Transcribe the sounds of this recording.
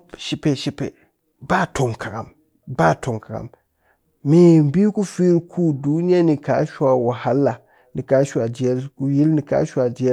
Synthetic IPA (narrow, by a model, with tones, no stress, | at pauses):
ʃi˦pɛ˦˨ʃi˦pɛ̰˨ | ba˦˨tʊ˨ŋkʰa˨ɡa˨m | ba˦˨tʰʊ˨ŋka˨ɡa̰˨m | miː˨m̩˨bi˦ku˦fe˦ɾkʰuː˦˨duː˦ɲɛ˦nɪ˨ka˨˦ʃa˨wa˨ha˦lːa˨ | nɪ˨ka˨˦ʃa˨d͡ʒi˨ɛ˦lku˦ji˦lnɪ˨ka̰˦ʃa˨d͡ʒi˨˦ɛ˦